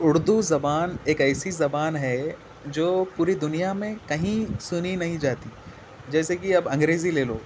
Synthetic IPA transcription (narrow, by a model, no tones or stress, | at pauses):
ʊɽd̪uzɐbaːneːkɛːsizɐbaːnɦɛ | d͡ʒoːpuːɾid̪ʊnijamẽkɐɦĩsʊninɐɦĩd͡ʒaːt̪iː | d͡ʒɛːsekiɐbɐ̃ŋɡɾeːzileːloː